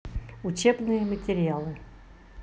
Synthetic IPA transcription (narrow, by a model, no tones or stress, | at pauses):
ʊt͡ɕebnɨjəmətʲɪɾʲalˠɨ